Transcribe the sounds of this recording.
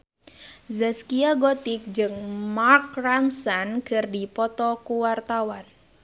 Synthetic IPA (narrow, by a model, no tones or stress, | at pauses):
zəskiaɡɔt̪ik̚d͡ʒɨŋmarkraŋsankɨrdipɔt̪ɔkuwart̪awan